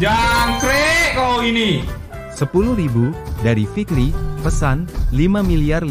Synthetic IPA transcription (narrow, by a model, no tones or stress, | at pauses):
d͡ʒaŋkɾeʔkaoini | səpuluhɾibudaɾifikɾipəsanlimamiliar